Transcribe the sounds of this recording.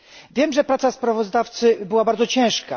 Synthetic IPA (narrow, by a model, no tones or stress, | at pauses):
vʲjɛmʐɛpɾat̪saspɾavɔzd̪aft̪sɘbɘwabaɾd̪zɔt͡ɕɛ̃w̃ʂka